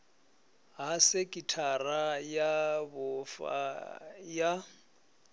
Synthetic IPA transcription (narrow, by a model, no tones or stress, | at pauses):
ɦasɪkʼitʰarajabʊfa̰ja